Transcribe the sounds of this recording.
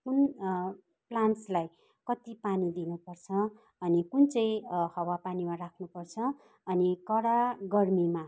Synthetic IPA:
kun | planslaj | kʌt̪ipanid̪inupʌrt͡sʰʌː | nikunt͡sʌj̃hʌwapanimarakʰnupʌrt͡sʰʌ | ʌnikʌɽaɡʌrmima

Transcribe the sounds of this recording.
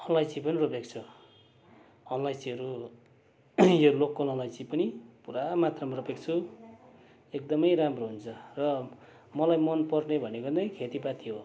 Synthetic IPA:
ʌnlajt͡sipʌniropek̚t͡sʰu | ʌnlajt͡siʌɾu | jolokːʌlʌnlajt͡sipʌnipuɾamat̪rʌmropek̚t͡sʰu | ek̚d̪ʌmʌjɾamroɦunt͡sʰʌrʌ | mʌlajmʌnpʌrnebʱʌnekʌd̪ajkʰet̪ipat̪iɦo

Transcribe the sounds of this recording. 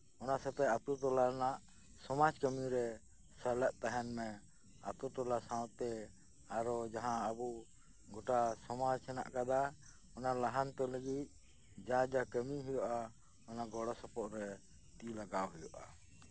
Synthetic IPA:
ɔnasɛp̪ɛat̪ut̪ɔlanaʔ | sɔmad͡ʒkəmiɾɛ | səlɛʔ̚t̪aɦɛnmɛ | a̰t̪ut̪ɔlasãwt̪ɛ | aɾɔd͡ʒaɦãəbu | ɡɔʈasɔmad͡ʒsɛna̰ʔkad̪a | ɔnalaɦant̪ɔləɡit̪̚ | d͡ʒad͡ʒakəmiɦujɔʔa | ɔnaɡɔɽɔsɔpɔʔɾɛ | t̪ilaɡawɦɔjɔʔa

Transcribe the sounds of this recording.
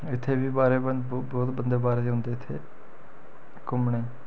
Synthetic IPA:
ɪt̪ʰːeːbiːbaːɾeːbəbɔːt̪bənd̪eːbaːɾeːd͡ʒɦʊ̃nd̪eːɪt̪ʰːḛː | kʊmɳeː

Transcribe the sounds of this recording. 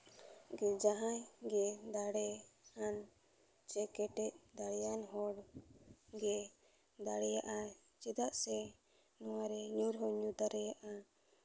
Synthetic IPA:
ɡɛd͡ʒaɦajɡɛd̪aɽɛhan | t͡ʃɛkɛʈɛc̚d̪aɽɛjanɦɔɽ | ɡɛ | d̪aɽɛjaʔa | t͡ʃid̪aʔsɛ | nɔwaɾɛɲuɾɦɔɲud̪aɾɛjaʔa

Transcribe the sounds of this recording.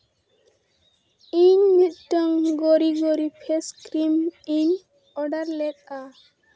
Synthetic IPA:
iɲmit̪̚ʈɔŋɡɔɾiɡɔɾipʰeskɾimiɲ | ɔɖaɾlɛk̚a

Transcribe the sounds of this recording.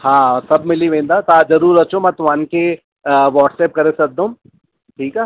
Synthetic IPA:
hãːsɐbmɪliʋẽːnd̪at̪ad͡ʒɐɾuːɾɐt͡ʃõmɛt̪ʋaːnke | ʋɔːʈseːp̚kɐɾesɐk̚d̪õm | ʈʰiːkɛː

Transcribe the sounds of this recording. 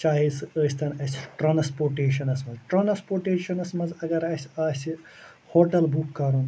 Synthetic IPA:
t͡ʃaːɦisəːsʲt̪ʰɐnɐsʲʈɾɐːnspoːɾʈeːʃɐnɐsmɐzʈɾɐːnspoːɾʈeːʃɐnɐsmɐzɐɡɐɾɐsʲaːsʲi | hoːʈɐlbukːɐɾun

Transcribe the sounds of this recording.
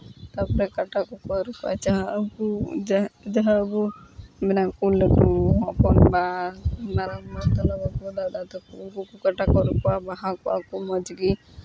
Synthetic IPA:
t̪apɔɾɛkaʈakukɔɾupa̰t͡ʃaɦbu | d͡ʒaɦabuminakulɛkuɦɔ̃pɔnbamaɾaat̪ɔlabakulad̪at̪ɔkukukukaʈakɔɾupabaɦakuakumɔd͡ʒɡi

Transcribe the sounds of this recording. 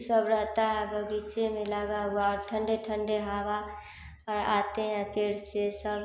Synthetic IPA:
səbɾəɦt̪aɦɛbəɡit͡ʃemelaɡaɡoaɔɾʈʰəɳɖeʈʰəɳɖeɦaba | əɾa̰t̪eɦãpeɾsesəb

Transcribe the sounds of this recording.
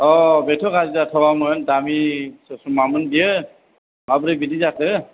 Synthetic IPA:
ɔbɛtʰɔkʰazizatʰɔwamɔjntamisɔsumamɯndijə | mabɾibidizatʰɯ

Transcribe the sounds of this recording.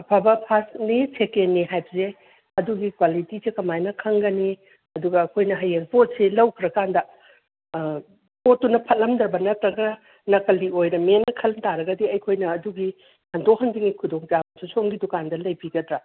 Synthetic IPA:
pʰabɐpʰasnisekenːiɦajbɐze | ɐduɡikwalitisekɐmajnɐkʰɐŋɡɐni | ɐduɡɐːkʰojnɐɦɐjeŋpʰot̚selɐwkʰiɾɐkandɐ | pʰotːunɐpʰɐt̚lɐmdɾɐbɐnɐtɾɐɡɐ | nɐkɐliojɾɐmenɐkʰɐlmtaɾɐɡɐdiɐjkʰojnɐːduɡi | hɐndok̚hɐndiŋikʰudoŋpijabɐnsʰusoŋɡidukandɐlɐjbiɡɐdɾɐ

